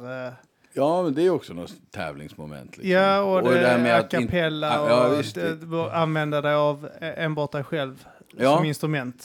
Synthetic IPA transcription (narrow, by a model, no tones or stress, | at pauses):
jɑːmɛnd̪ɛæjɔksɔnɔt̪ʰːɛ̰ːvlɪ̰ŋsmɔmɛ̰nt̪ʰlɪjaːɔd̪ɛd̪ɛæɾmɛakʰːapʰɛlːaɔɪsd̪ɛanvɛnd̪əd̪ɛjaveːnbɑːʈ̚d̪ɛjɧɛlvː | ɔmɪnst̪ɾɵmɛnt̪